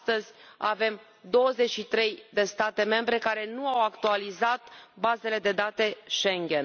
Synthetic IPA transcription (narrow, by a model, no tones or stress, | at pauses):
t̪əzʲa̰ve̞m | d̪o̞wəze̞t͡ʃʲʃit̪ɾe̞jd̪e̞st̪at̪e̞me̞mbɾe̞kaɾe̞nuawakt̪ualizat̪baze̞le̞d̪e̞d̪at̪e̞ʃe̞ŋɡʲe̞n